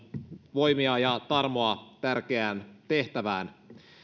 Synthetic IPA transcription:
ʋojmiɑjɑt̪ɑrmoɑt̪ærk̟eæːnt̪e̞ht̪æʋæːn

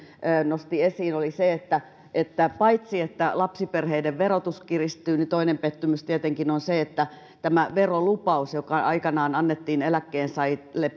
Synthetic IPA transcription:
øːnost̪iesiːnoliseet̪ːæ | ʔet̪ːæpɑit̪siet̪ːælɑpsiperheideʋʋerot̪uskirist̪yːnit̪oinempet̪ːymyst̪iet̪eŋkinonseet̪ːæ | t̪æmæʋerolupɑusjokɑɑ̰ikɑnɑːnɑnːet̪ːiːnelækːeːnsɑilep

